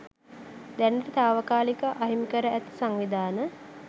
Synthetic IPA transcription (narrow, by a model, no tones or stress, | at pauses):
d̪ɛnəɾit̪aːʋəkaːlikəʔaɦimikəɾəæt̪i̥saŋʋid̪aːnə